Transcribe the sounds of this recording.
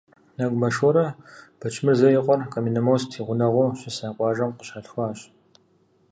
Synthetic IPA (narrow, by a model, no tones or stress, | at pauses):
nɐɡʷʼmɐʃɔɾɐb̥ɐt͡ʃʰʼmɨrzɐjɪqʷʼɔrqɐminɨmowstʰiːʁʷʊnɐʁʷowɕɪsaːqʷʼɑːʒɐmqəɕaːɬxʷaːɕ